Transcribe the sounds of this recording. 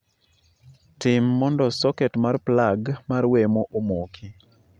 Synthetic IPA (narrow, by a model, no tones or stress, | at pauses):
tɪmːɔndɔsɔkɛtmarplaɡmarwemoʔomokʰi